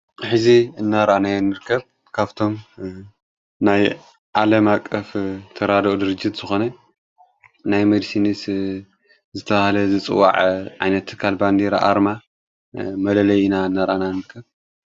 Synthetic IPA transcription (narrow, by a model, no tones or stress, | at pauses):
ħɨziɨnːaɾanajonːɨɾkʰːɐβ̚ | kʰaβt̪ʰo̞m | naj | ʕalɐmakʼːɐft̪ʰɐɾad̪ʔod̪ɨɾɨd͡ʒːit̪z̥ɨxo̞nɐ | najmɐd̪sinis | zɨt̪ʰɐβahlɐzɨt͡sʼɨ̰wːa̰ʕʕa̰jnɐt̪ʰːɨ̥kʰːalband̪iɾa̰ʔa̰ɾma | mɐlɐlɐjinaɨnːaɾa̰nanɨɾkʰːɐβ